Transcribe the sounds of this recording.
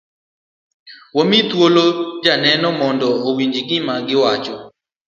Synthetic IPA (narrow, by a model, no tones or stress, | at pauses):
womit̪wolod͡ʒanɛnɔmɔndɔowiɲd͡ʒiɡɪmaɡɪwat͡ʃɔ